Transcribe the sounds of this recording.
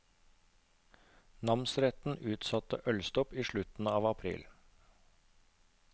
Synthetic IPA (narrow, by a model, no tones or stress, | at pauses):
nɑmnsɾɛt̪n̩ʉːt̪sɑt̪ə̰ʔœlst̪ɔpiːʃɭʉt̪n̩ɑːʋɑpʰɾḭːl